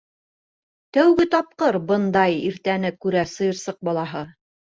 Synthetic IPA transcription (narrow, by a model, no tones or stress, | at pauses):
t̪æwɡɘt̪ɑp̚qɤɾbɤ̆nd̪ɑjiɾt̪ænɘkʉɾæsɤ̆jɤ̆ɾsɤq̚bɑlˠɑɦɤ